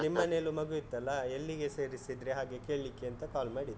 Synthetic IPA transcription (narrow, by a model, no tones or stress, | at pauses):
nimːɐne̞ːlumɐɡuit̪ːɐlːɐelːiɡe̞se̞ːɾisid̪ɾeɦaːɡeke̞ːɭlikːeɐnt̪ɐkaːlmaːɽid̪